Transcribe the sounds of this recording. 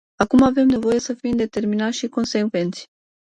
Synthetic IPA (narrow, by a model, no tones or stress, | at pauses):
akumave̞mne̞vo̞je̞səfimd̪e̞t̪e̞rminat̪ʲʃiko̞nse̞ɡve̞nt̪sʲ